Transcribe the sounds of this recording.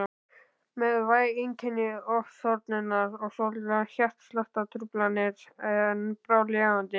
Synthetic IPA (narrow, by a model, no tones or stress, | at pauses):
mɛðvaːjeɲcʰɛnːɪɔfsɔɾt̪nɪnːaɾɔɣsɔlɪɾaçjar̥t̪slaht̪at̪ʰɾʏplanɪɾɛnpɾaːwlɛaant̪ɪ